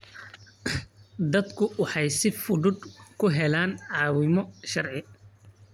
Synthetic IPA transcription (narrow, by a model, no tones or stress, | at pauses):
d̪ɐd̪kʰʊwɑħɑjsɪfʊðʊd̪kʰʊɦɛlaːnʕɑːwɪmɔʃɐrʕɪ